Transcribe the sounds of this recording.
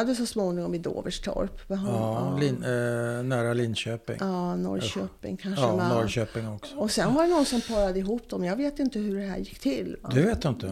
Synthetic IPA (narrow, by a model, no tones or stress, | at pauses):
ad̪ːəsɔsmoːnɪŋɔmɪd̪o̰ːvəʂt̪ʰɔ̰ɾpbɛɦlɪnnæːɾalɪnɕøːpɪ̰ŋɑːnɔ̰ɾɕøːpɪ̰ŋkʰanʂəmɛɔɾøːpɪŋɔksɔɔsɛnvaɖɛnɔnsɔmpʰɑːɾad̪əɪɦuːpd̪ɔmjɑɡveːt̪ɪnt̪əɦɵɖɛɦæ̰ːɾjɪkːt̪ʰɪlːva̰d̪ɵveːt̪jɵnt̪ə